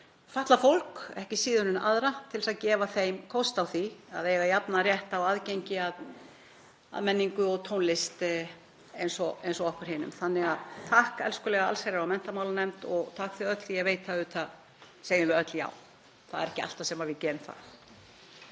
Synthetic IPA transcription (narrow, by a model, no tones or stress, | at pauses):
faht̪lafowl̥kɛhcɪsiːðʏnʏna̰ðɾat̪ʰɪlɪsaðcɛːvaθejmkʰɔwst̪awθiaðeːɣajapnarjɛht̪awaðcejɲcɪað | a̰ðmɛnːiŋkʏɔɣt̪ʰownlɪst̪ | ejnsɔejnsɔɔhkʏɾ̥hɪːnʏ̰mθanːɪɣaðt̪ʰaːhkɛ̰lskʏlɛɣaa̰lsajɾaɾawmɛn̥t̪amaːwlanɛmt̪ɔɣt̪ʰaːkθiœt̪l̥θijɛveːjt̪θaðʏt̪θað | sejðɪɪœt̪lja̰ːw | θaðɛɾɛhcɪa̰l̥t̪asɛmavɪðcɛːɾʏmθa̰